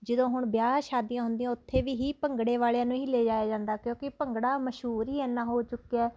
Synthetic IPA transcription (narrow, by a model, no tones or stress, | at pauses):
d͡ʒəd̪õːɦʊɳbjaːʃaːd̪ijãːɦʊ̃nd̪ijãːʊt̪ʰːeːʋiːɦiːpəŋɡɽeːʋaːɭejãːnũːɦiːleːd͡ʒaːjaːd͡ʒãːnd̪aːkjõːkɪpəŋɡɽaːməʃɦuːɾɦiːɛːnːãːɦoːt͡ʃʊkːeɛː